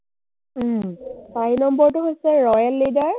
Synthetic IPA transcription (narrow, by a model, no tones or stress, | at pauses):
msaɹinɔmbɔɹtʊɦojsɛɹɔjalːidaɹ